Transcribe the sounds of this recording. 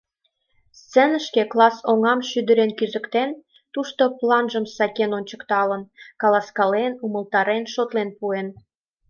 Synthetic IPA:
st͡senəʃkeklɑsoŋɑmʃyd̪ə̆ɾenkyzə̆kt̪en | t̪uʃt̪oplɑnʒəmsɑkʲenonʲt͡ɕə̥̆kt̪ɑlənkɑlɑskɑlenuməlt̪ɑɾenʃot̪lenpuen

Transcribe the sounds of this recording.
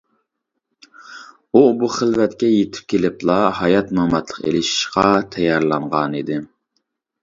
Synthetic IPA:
ubuχəlvɛt̪kʲɛjet̪ʰɪ̥p̚kʲelɪplˠɑɦɑjɑt̪mɑmɑt̪lˠə̥qḛlɪʃi̥ʃqɑt̪ʰɛjɑɾlˠɑɴʁɑnid̪ɪ

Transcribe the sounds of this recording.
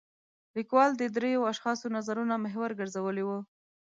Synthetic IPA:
likwɑld̪əd̪ɾejoaʃxɑsonazaɾunamɪɦwaɾɡəɾzawəlewu

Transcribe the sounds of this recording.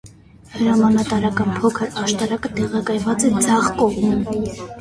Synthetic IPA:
həɾɑmɑnɑt̪ɑɾɑkɑnpʰɔkʰəɾɑʃt̪ɑɾɑkət̪ɛʁɑkɑjvɑt͡sɛd͡zɑʁkɔʁmən

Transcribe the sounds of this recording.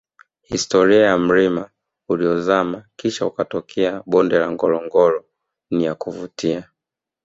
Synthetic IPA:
histɔɾiajam̩ɾima | uliɔzamakiʃaukatɔkʰɛaɓɔndɛlaŋɡɔlɔŋɡɔlɔ | nijakuvutia

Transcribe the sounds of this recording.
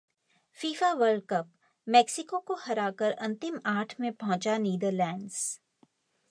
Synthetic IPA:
fiːfaʋəɾɖ̚kəp | mɛːksɪkokohɐɾaːkəɾɐ̃nt̪ɪmaːʈʰmẽpɐɦʊ̃t͡ʃaniːd̪əɾlɛ̃ːɳɖz̥

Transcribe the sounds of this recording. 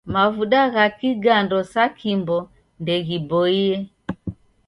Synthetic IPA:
mavuɗaɣakiɡandɔsakimbɔ | ndɛɣibɔiɛ

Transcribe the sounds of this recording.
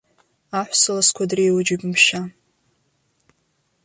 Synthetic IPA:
aħʷsɨlaskʷʰadrejwʊd͡ʒɪbmʃa

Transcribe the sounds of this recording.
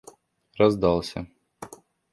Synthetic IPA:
ɾɐzd̪ɑlˠsʲɐ̰

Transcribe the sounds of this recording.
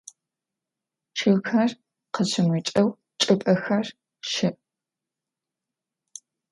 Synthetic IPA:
t͡ʃʰɨxɐr | qəɕʰɪmʷit͡ʃʼɐw | t͡ʃʼɨpʼɐxɐr | ʃɪʔ

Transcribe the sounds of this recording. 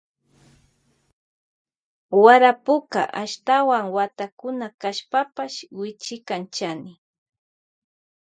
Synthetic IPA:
waɾapʊka̰ʔaʃt̪awaŋwat̪akʊnakaʃpapaʃwɪt͡ʃɪkant͡ʃanɪ

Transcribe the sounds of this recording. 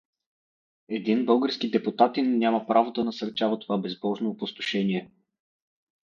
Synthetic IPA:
ɛd̪inbɤlˠɡəɾskid̪ɛpʊt̪at̪inːʲaməpɾavod̪ɐnɐsɐɾt͡ʃavət̪ovabɛzbɔʒnopʊst̪ʊ̥ʃɛniɛ

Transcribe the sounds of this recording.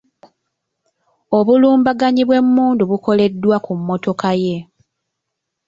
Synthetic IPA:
o̞βuluːmbaɡaɲiβwe̞mːuːnduβuko̞le̞dːwakumːo̞to̞kaje̞

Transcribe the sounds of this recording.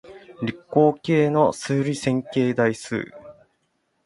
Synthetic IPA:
ɾʲikːo̞ːke̞ːno̞sɨːɾʲisẽ̞ŋke̞ːd̪aisɨ̰ː

